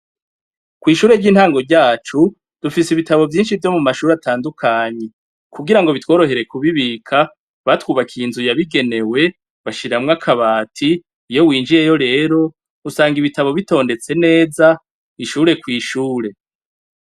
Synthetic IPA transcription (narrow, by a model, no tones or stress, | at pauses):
kwiːʃuːɾe̞ɟiːn̥haːŋɡo̞ɾɟaːt͡ʃu | d̥ufisiβitaβo̞vjiːnʃivjo̞mumaʃuːɾatʰaːndukʰaːɲe̞ | kuɡiɾaŋɡo̞βitwo̞ːɾo̞ɦe̞ɾe̞kuβiβiːkʰa | βatwuːβakʰiːnzujaβiɡe̞ne̞we̞ | βaʃiɾamŋakʰaβaːtʰiː | jo̞wiːnd͡ʒiɾejo̞ɾe̞ːɾo̞ | usaːŋɡiβitaβo̞βito̞ːnde̞t͡se̞ne̞ːza | iʃuːɾe̞kwiːʃuːɾe̞